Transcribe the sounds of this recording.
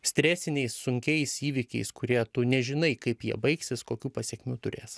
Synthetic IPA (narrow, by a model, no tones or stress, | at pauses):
sʲt̪ʲɾʲæːsʲɪnʲɛɪsːʊŋʲkʲɛɪsiːʋʲɪkʲɛ̰ɪskʊɾʲiɛt̪ʊnʲɛʒʲɪnɐɪkɐɪpjiɛbɐɪksʲɪskoːkʲuːpɐsʲɛkʲmʲuːt̪ʊɾʲḛːs